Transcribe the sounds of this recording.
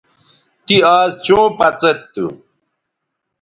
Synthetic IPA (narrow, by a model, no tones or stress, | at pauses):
t̪iaːzt͡ɕõːpɐt͡set̪ːṵ